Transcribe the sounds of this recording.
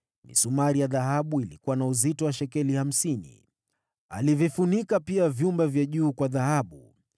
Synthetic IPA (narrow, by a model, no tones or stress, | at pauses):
nḭsumaɾijaðaɦaɓuilikuwanauzitɔwaʃɛkɛliham̩sinḭ | a̰livifunikapiavjumbavjaʄuːkwaðahaɓu